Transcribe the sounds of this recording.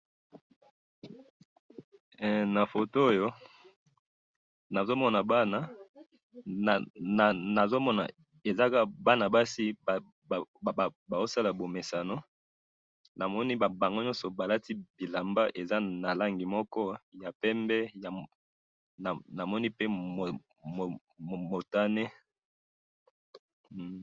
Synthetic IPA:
na˨fo˨to˦o˦jo˦ | na˨zo˦mɔ˦na˨ba˦na˦˨ | n˨na˨zo˦mɔ˦na̰˨ | e˨za˦ka˦ba˦na˨ba˦si˦b | ba˨o˦sa˦la˨bo˨me˨sa˨no˦ | na˨mɔ˦ni˦ba˨ba˨ŋɡo˦ɲɔ˦nsɔ˨ba˨la˦ti˦bi˨la˨mba˦ʔe˨za˦na˨la˦ŋɡi˨mɔ˦kɔ˦ja˨pɛ˦mbɛ˦ja˨ | na˨na˨mɔ˦ni˦pe˦mo˨ | mo˨ | mo˨ta˦ne˦

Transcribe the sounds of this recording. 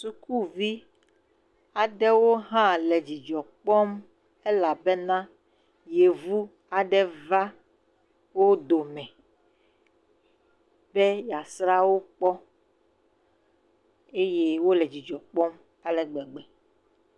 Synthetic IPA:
su˦ku˦vi˦ | a˨ɖɛ˦wo˦ɦã˦lɛ˨d͡ʑi˨d͡ʒɔ˨k͡pɔ˦m | e˦la˨be˦nã˦ | je˨vu˦ | a˨ɖɛ˦va˦ | wo˦d̪o˨mɛ̃˨ | bɛ˦ja˨sɾa˦wo˦k͡pɔ˦ | e˦je˦wo˦lɛ˨d͡ʑi˨d͡ʒɔ˨k͡pɔ˦m | a˨lɛ˨ɡ͡bɛ˨ɡ͡bɛ˨

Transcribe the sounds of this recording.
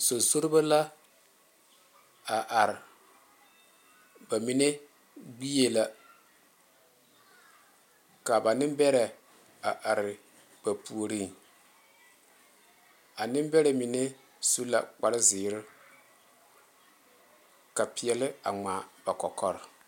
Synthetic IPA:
so˨so˦ɾɪ˦ba˦la˦ | a˨ʔa˨ɾɪ˨ | ba˨mi˦ne˦ | ɡ͡bi˦je˨la˦ | ka˨ba˨nɪ˦mbɛ˦ɾɛ˨ | a˨ʔa˨ɾɪ˨ | b̥a˨pu˨o˨ɾi˦ŋ | a˨nɪ˦m˦bɛ˦ɾɛ˨mɪ˨ne˦ | su˦la̰˨k͡pa˨ɾɪ˦zɪː˨ɾɪ˦ | ka˨pɪ˨ɛ˨lɪ˦a̰˨ŋ͡ma˨b̥a˨kɔ˨kɔ˦ɾɪ˨

